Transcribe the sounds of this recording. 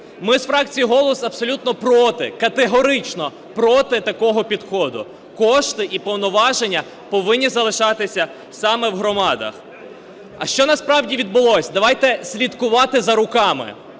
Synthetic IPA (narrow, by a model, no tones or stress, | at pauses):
mɪzfɾɑk̚t͡sʲijiɦɔlˠɔsɐbsɔlʲut̪nɔpɾɔt̪ɪkɐt̪eɦɔɾɪt͡ʃnɔ | pɾɔt̪ɪt̪ɐkɔɦɔpʲid̪xɔd̪ʊ̰ | kɔʃt̪ɪʔipɔwnɔʋɑʒenʲːɐ | pɔʋɪnʲːizɐlˠɪʃɑt̪ɪsʲɐ | sɑmɛwɦɾɔmɑd̪ɐ̰x | ɐ̰ʃt͡ʃɔnɐspɾɑwdʲiʋʲid̪̚bʊlˠɔsʲd̪ɐʋɑjt̪ɛsʲlʲit̪kʊʋɑt̪ɪzɐɾʊkɑmɪ̰